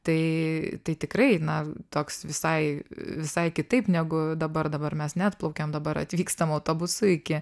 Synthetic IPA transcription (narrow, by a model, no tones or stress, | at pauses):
t̪ɐɪt̪ɐɪt̪ʲɪkɾɐɪnɐt̪oːksʋʲɪsɐɪʋʲɪsɐɪkʲɪt̪ɐɪpnʲæɡʊd̪ɐbɐrd̪ɐbɐrmʲɛsnʲæːt̪̚plˠɐʊkʲemd̪ɐbɐɾɐ̰t̪ʲʋʲiːkst̪ɐmɐʊt̪oːbʊsʊɪkʲɪ